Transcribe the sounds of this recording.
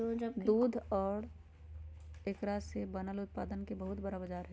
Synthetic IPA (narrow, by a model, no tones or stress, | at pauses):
od͡ʒɐbd̪uːd̪ʱɔːɽ | ekɾaːsebɐnəlʊt̪̚paːd̪ənkebəɦʊt̪bəɾabɐd͡ʒaːɾɦɛ